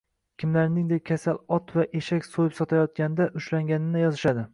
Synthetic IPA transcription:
kʲʰɪmlaɾnɪŋd̪ekʲkʲʰasalɒt̪vaʔeʃakʲsojɪpsɒt̪ʰajɒt̪̚kʲanɪd̪aʔʊʃlaŋɡʲanɪnɪjɒzɪʃad̪ɪ

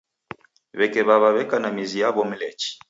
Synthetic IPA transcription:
βɛkɛβaβaβɛkanamizijaβɔmilɛt͡ʃi̥

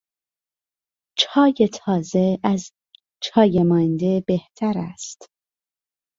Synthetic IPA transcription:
t͡ʃʰɒːje̞t̪ʰɒːze̞æz | t͡ʃʰɒːjemɒːjend̪e̞b̥e̞ht̪ʰæɾæ̰st̪

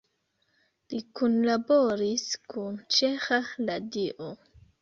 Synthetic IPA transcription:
likunlaboɾiskunt͡ʃe̞xaladiʔo

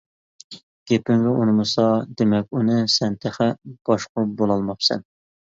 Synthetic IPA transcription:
ɡ̥ʲepɪŋvɛʔunɨmɨsɑd̪emɛk̚ʲunɨsɛnt̪ʰæχɛb̥ɑʃqʊbolˠɑlˠmɑpsɛ̰n

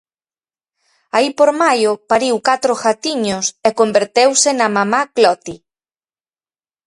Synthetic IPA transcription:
aipoɾmajʊpaɾiwkat̪ɾʊxat̪iɲʊsekombeɾt̪ewsɪnɐmamaklɔt̪i

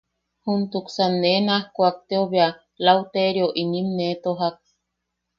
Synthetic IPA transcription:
hunt̪uksanːenahkʷak̚t̪eoβea | lawt̪eɾjoʔinimnet̪oɦak̚

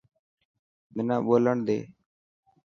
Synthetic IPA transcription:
mɪnãːɓoːləɳd̪ḛː

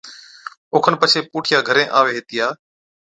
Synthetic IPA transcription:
ʊːkʰənpət͡ʃʰeːpuːʈʰɪjaːɡʱəɾẽːʔaːʋeːɦeːt̪ɪjaː

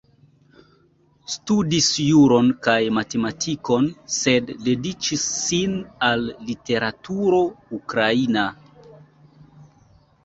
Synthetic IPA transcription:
studisjuɾo̞nkajmate̞matʰiko̞nsedːe̞dit͡ʃisːinalːite̞ɾatuɾo̞ukɾaina

